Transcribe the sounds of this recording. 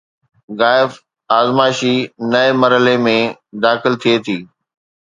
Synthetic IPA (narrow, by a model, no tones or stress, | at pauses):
ɣaːɪf | aːzmaːɪʃinɐemɐɾɦəlemẽd̪aːxɪlt̪ʰiet̪ʰiː